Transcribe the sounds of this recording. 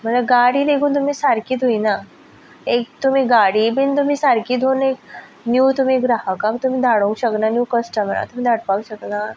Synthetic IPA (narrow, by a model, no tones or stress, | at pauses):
mət̪ləbɡaɽiːd̪ekʰũt̪̬um̤ĩsaɾkiːd̪ʱoina | ek̚t̪um̤ĩɡaɽibint̪um̤ĩsaɾkiːd̪ʱonek | njuːt̪um̤ĩɡɾaɦakamt̪um̤ĩːd̪ʱaɽõɕək̪nanjuːkəsʈəməna̰t̪um̤ĩːd̪ʱaɽpaũɕək̪na